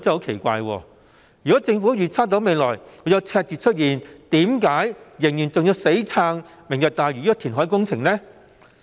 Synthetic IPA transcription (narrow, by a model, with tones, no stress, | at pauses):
t͡sɛ˥ho˨˥wkʰe˨˩jkʷa̰ː˧jwɔ̰ː˧˩ | jy˨kɔ˨˦˥t͡sɪ˧ŋfuː˨˥jyː˨t͡sʰaː˥t̪̬o˨˥wme˨˧jlɔː˨˩jɔː˨˧jɐ˨˧wt͡sʰɛː˧k̚t͡siː˨t̚t͡ʃʰt̚jiː˨˩nt̪iː˨˥mk̬aː˨˥jjɪ˨˩ŋjyː˨˩nt͡sʊ˨ŋji˨˧wse˨˥jt͡sʰaː˧ŋ | mɪ˨˩ŋjœ˨˧˩t̪aː˨jɥy˨j̚t̪ʰiː˨˩nɦɔː˨˥jkʊ˥ŋt͡sʰɪ˨˩ŋlɛː˥